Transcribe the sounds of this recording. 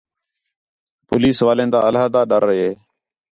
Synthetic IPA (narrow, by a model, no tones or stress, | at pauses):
pʊ̰ːliːsʋaːlẽːnd̪a̰ːəlaːd̪aːɗəɾːəɦeː